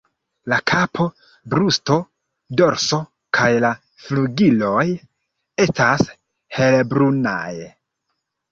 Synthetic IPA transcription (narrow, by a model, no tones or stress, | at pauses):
lakʰapʰo̞ | bɾusto̞ | do̞ɾso̞ | kʰajla | fluɡilo̞j | e̞stas | he̞lebɾuna̰j